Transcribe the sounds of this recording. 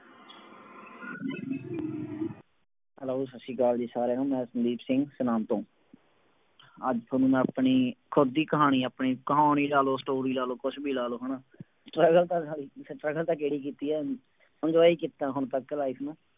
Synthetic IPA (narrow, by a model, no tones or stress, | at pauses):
ɦəloːsəsːiːkaːld͡ʒeːsaːɾeːnũːmɛ̃ːsənd̪iːpsɪ̃ŋɡsənaːmt̪õː | əd͡ʒt̪ʰoːnũːmɛ̃ːapɳiːkʰʊd̪ːiːkəɦaːɽ̃iːaːpɳiːkəɦaːɳ̃iːlaːloːsʈoːɾiːlaːloːkʊt͡ʃʰbʱiːlaːloːɦəːɳaː | ʈɾəːɡəlt̪ãːsaːɽiːsʈɾəɡəlt̪ãːkːeːɽiːk̬iːt̪iːɛː | sə̃nd͡ʒʋaːiːkit̪ːãːɦʊnt̪əkːlaːiːsnaː